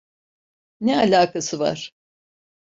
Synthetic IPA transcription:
nɛalʲaːkʰasɯva̰ɾ̥

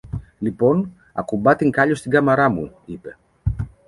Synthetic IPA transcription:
lipo̞n | ɐ̰kubɐt̪iŋkɐʎost̪iɡɐmɐɾɐmṵipe̞

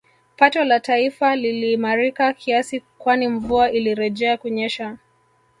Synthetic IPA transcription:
patɔlataifaliliːmaɾikakʰiasikwaniɱvuaʔiliɾɛʄɛakuɲɛʃa

